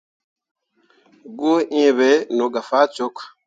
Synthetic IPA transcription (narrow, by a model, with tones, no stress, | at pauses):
ɡu˦ʔĩ˦˨βe˨˦no˨ɡa˨fa˦t͡ʃo˦k